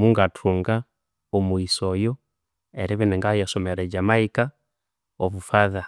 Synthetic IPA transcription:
muŋɡatʰuŋɡa | ɔmuisɔjɔ | ɛɾiβinɛŋɡajasɔmɛɾɛd͡ʒamaika | ɔβufaða

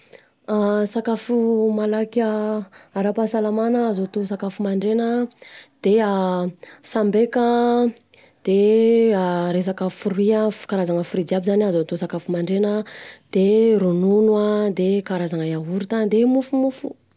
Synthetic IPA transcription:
asakafumalakaaɾapasalamanaːzot̪osakafumaɳɖ͡ʐenəd̪̥ea | sambekə | d̪̥eaɾes̬akəfuɾwiafu̥kaɾazaŋəfuɾid͡ziabizanazot̪osakafumaɳɖ͡ʐenəd̪̥eɾununuad̪ekaɾazaŋajaɦuɾut̪and̪emufumufu̥

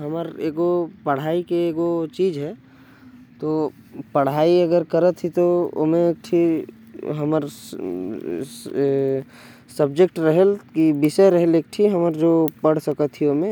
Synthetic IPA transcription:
ɦəməɾeːɡopəɽ̤aːikeeːɡot͡ʃiːd͡ʒɦɛ | t̪o | pəɽ̤aːiəɡəɾkəɾət̪ʰːit̪oo̰mẽeːk̚ʈʰi | ɦəməɾ | səbd͡ʒek̚ʈɾəɦəlkibɪseɾəɦeleːk̚ʈʰiɦəməɾd͡ʒoːpəɽ̤səkət̪ʰːiomẽ

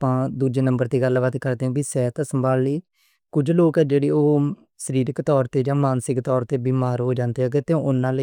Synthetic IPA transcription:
pãːd̪uːd͡ʒeːnəmbəɾt̪iːɡəlbət̪kəɾd̪eːɦɛ̃ːbiːsɛːt̪ãːsəmbaːlliː | kʊd͡ʒloːkɛːd͡ʒeːɽeːoː | səɾiːɾɪkt̪ɔːɾt̪eːd͡ʒãːmaːnsɪkt̪ɔːɾt̪eːbiːmaːɾɦoːd͡ʒãːnd̪eːɛːkɪt̪eõʔʊnːãːlə

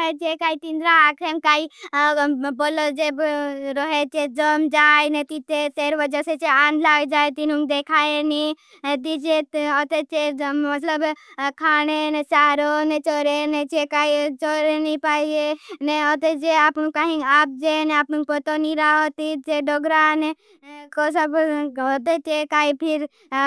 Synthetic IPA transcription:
ɦet͡ʃekaːit̪ĩnd̪ɾaːkʰemkaːi | boːlod͡ʒeɾɔɦet͡ʃed͡ʒəmd͡ʒaːenet̪it̪et̪eːɾʋəd͡ʒəset͡ʃeaːnlaːʋed͡ʒaːet̪inũŋɡd̪ekʰaːeni | t̪id͡ʒeɔt̪et͡ʃemət̪ləbkʰaːñenet͡ʃaːɾonet͡ʃoːɾenet͡ʃekaːit͡ʃoːɾenipaːid͡ʒeneɔt̪ed͡ʒeaːpnũkaːɦĩaːp̚d͡ʒeneaːpnũŋkpət̪oniɾaɦot̪it͡ʃeɖoɡɾane | kosəbɦot̪et͡ʃekaːipʰɪɾ

